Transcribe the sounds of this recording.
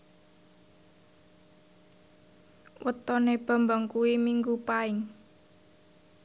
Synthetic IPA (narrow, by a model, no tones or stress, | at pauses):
wʔət̪ɔneb̥a̤mbaŋkuwimiŋɡupaɪŋ